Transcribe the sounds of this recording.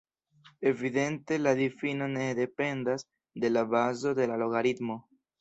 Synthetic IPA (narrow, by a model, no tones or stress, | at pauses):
e̞vide̞nte̞ladifino̞ne̞de̞pe̞ndas | de̞labazo̞de̞lalo̞ɡaɾid̪mo̞